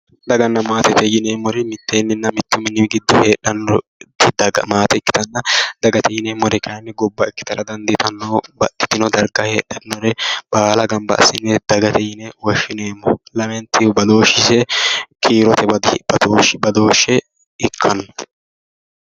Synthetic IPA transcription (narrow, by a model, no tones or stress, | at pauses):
d̪ɐɡɐnːɐmaːt̪ɛt̪ɛjɪneːmːɔɾɛmɪt̪ːeːnːɪnːɐmɪt̪ːʊmɪnːɪɡɪd̪ːɔheːɗːɐnːɔt̪ːɪd̪ɐɡɐmaːt̪ɛɪkːɪ̥t̪ɐnːɐd̪̥ɐɡɐt̪ɛjɪneːmːɔɾɛkɐnːɛɡɔbːɐɪkːɪ̥t̪ɐlɐd̪ɐnd̪ɪt̪ɐnːɔbɐt̪ːɪ̥t̪ːɪnɔd̪ɐɾɡɐhḛːɗɐnːɔɾɛbaːlɐɡɐmbɐ̰ʔɐ̰sːɪnːɛd̪̥ɐɡɐt̪ɛjɪnɛwɔʃːɪneːmːɔlɐmɛnt̪ːɪbɐd̪oːʃːɪsɛkʰiːɾɔt̪ɛbɐd̪b̥ɐd̪oːʃbɐd̪o̞ːʃːɛ | ɪkʰːɐnːɔ